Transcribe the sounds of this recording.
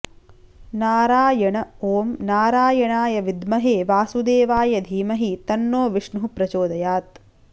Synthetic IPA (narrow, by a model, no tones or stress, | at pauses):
naːɾaːjɐɳɐoːmnaːɾaːjɐɳaːjɐʋid̪mɐɦeːʋaːsud̪eːʋaːjɐd̪ʱiːmɐɦit̪ɐnːoːʋiʂɳuɦupɾɐt͡ʃoːd̪ɐjaːt̪̚